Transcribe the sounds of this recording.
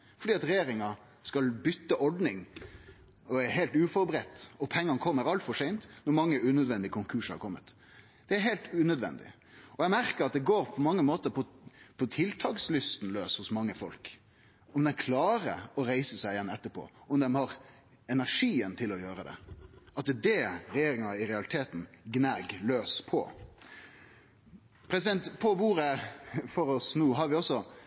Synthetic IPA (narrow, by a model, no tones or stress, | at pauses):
fɔɖiːɑt̪ɾɛjeːɾɪŋɑ | skɑlbʏt̪ːəʔɔɖnɪŋ | ɔæɾɦɛɪlt̪ʉːfɔɾbɾɛt̪ːɔpʰɛŋːɑnəkʰɔmːəɾɑlt̪fɔʂɛɪnt̪nɔɾmɑŋːəʉːnœd̪ʋɛnd̪ɪkʰʊŋkʰʉːʂhɑ̰ɾkʰɔmːə̰t̪ | d̪̥ɛæɾɦɛɪlt̪ʉːnœd̪ʋɛ̰nd̪ɪ̰ | ɔɛɡmæɾkəɾɑt̪̚d̪ɛɡoːɾpʰɔmɑŋːəmoːt̪əɾpʰɔpʰɔt̪ʰɪlt̪ʰɑːkslʏst̪n̩løːshʊsmɑŋːəfɔlk | ɔmd̪ɛnkʰlɑːɾə̰ɔɾæɪsəsæɪjɛnːɛt̪ːəɾpʰo̰ːɔmd̪ɛmhɑɾ | ɛnæɾʂiːənt̪ʰɪlːɔjøːɾəd̪ɛ̰ɑt̪̚d̪ɛɾɛjeːɾɪŋɑɪɾɛɑlɪt̪ʰeːt̪n̩ɡnæɡløːspʰɔ̰ | pʰɾɛsɪd̪ɛnt̪pʰɔbuːɾəfɔɾɔsnuːɦɑɾʋɪɔsːɔ